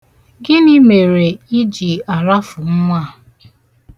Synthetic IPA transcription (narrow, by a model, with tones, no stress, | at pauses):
ɡɪ˦ni˦me˨ɾe˨i˦d͡ʒi˨a˨ɾa˦fʊ˨ŋ̩˦ŋʷa˦˨